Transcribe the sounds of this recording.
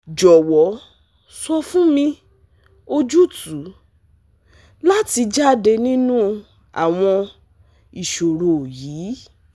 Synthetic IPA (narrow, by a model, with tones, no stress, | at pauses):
d͡ʒɔ˨wɔ˨˦ | sɔ˧fũ˦mĩ˧ | o˧d͡ʒu˦tu˨˦ | la˦ti˧d͡ʒa˦˨de˧nĩ˦nũ˦˧ | a̰˨w̃ɔ̃˧ | i˨ʃo˨ɾo˨jiː˨˦